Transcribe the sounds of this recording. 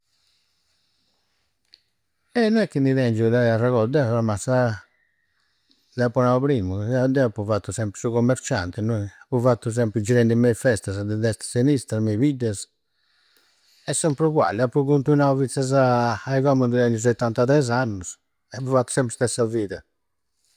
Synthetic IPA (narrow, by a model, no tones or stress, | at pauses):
ɛnːɔnɛkːind̪iðɛnd͡ʒud̪aɛaraɣɔd̪ɛfɾmasa | d̪apːunaupɾimuad̪ɛapːufat̪ːusɛmpɾisuɣomːeɾt͡ʃa̰nt̪ɛnɔapːuvat̪ːus̬ɛmpɾid͡ʒiɾɛnd̪imɛfɛst̪asd̪ɛd̪ɛst̪ḁsinist̪ɾamɛvid̪ɛs | ɛsːɛmpɾukwa̰lːapːɾukunt̪unauvit̪ːazaːiɣɔmund̪ud̪ɛɲus̬ɔt̪ːant̪aðɛz̬anːus | ɛapːufat̪ːu̥sɛmpɾid̪ɛsaviːða